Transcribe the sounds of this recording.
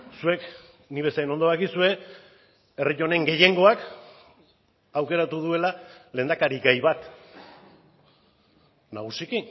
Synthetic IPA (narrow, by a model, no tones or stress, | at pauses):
sue̞k | niβe̞saeno̞nd̪oβakisue̞ | eriʎo̞ne̞ŋɡe̞je̞ŋɡo̞ak | awke̞ɾat̪uðue̞lale̞nd̪akaɾiɡajβat̪ | naɣ̞usikin